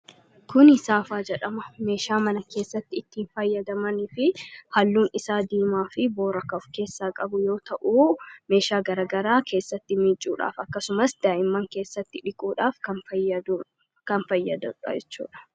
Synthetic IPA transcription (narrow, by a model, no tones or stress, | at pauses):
kʊnɪsaːfaːd͡ʒɛᶑɐmɐme̞ːʃaːmɐnɐke̞ːsːɐt̪ːɪɪt̪ːiːnfɐjːɐd̪ɐmɐnɪfɪhɐlːuːnɪsaːd̪iːmaːfɪboːɾɐkɐfke̞ːsːaːkʼɐbʊjo̞ːt̪ɐʔuːme̞ːʃaːɡɐɾaːɡɐɾaːkʰe̞ːsːɐt̪ːɪmɪt͡ʃʼːuːᶑa̰ːfɐkːɐsʊmɐsd̪̥aːʔɪmːɐŋke̞ːsːɐt̪ːɪᶑɪkʼuːᶑaːfkɐɐɐd̪ | kɐnfɐjːɐd̪ɐᶑɐ̰d͡ʒɛt͡ʃːṵːᶑɐ̥